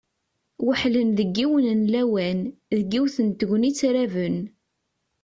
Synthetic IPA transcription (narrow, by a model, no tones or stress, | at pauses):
wəħlənðəɡːiwənənlæwænðəɡːiwθənt̪əʝʷnit͡sːɾævən